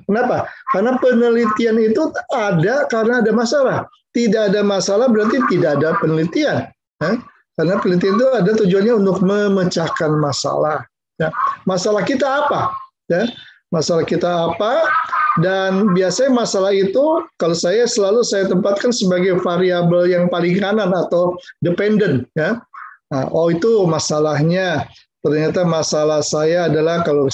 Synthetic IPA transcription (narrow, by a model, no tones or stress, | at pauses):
kənapakaɾənapənəlit̪ianit̪uadakaɾənaːdamasalah | t̪idaːdamasalahbəɾart̪it̪idaːdapənəlit̪ian | ja | kaɾənapənəlit̪ianit̪̬uadat̪ud͡ʒuanɲaunt̪ʊk̚məmət͡ʃakanmasa̰lah | jamasalahkit̪aːpa | ja | masalahkit̪aːpadanbiasaɲamasalahit̪ukalosajasəlalusajat̪əmpat̪̚kansəbaɡajfaɾiabəljaŋpalɪŋkananat̪awdəpɛndənjaəʔɔit̪umasalahɲa | t̪ərɲat̪amasalahsajaːdalahkalo